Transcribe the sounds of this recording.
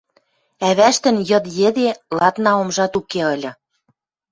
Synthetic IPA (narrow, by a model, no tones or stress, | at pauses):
æβæʃt̪ə̆njɤ̆d̪jed̪elɑt̪nɑomʒɑt̪ukeɤlʲɤ̆